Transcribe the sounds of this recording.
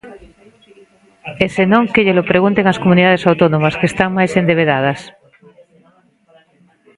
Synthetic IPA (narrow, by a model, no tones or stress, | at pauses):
esenõŋkeʎelopɾeɣunt̪eŋaskomuniðað̞esawt̪onomaskeːst̪aŋmajsend̪eβ̞eðað̞as